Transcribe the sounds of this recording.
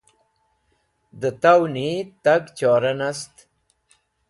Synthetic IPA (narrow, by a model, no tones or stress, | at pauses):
d̪ət̪awnit̪aɡt͡ʃɑːɾanast̪